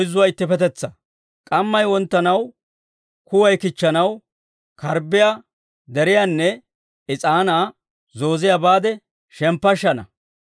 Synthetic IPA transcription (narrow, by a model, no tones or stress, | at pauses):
ɔjzːʊwaːɪt̪ːɪpɛt̪ɛt͡sːɐ | kʼɐmːɐjwɔnt̪ːɐnɐw | kʊwɐjkɪt͡ʃːɐnɐw | kʰɐɾbɪja | d̪ɛɾɪjanːɛ | ɪt͡sʼaːnaː | zo̞ːzɪjabaːd̪ɛ | ʃɛmpːɐʃːɐnɐ̰